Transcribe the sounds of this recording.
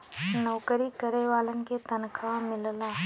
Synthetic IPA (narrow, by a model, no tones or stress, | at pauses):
nɔːkəɾikəɾeʋaːlənket̪ɐnkʰãmɪllaː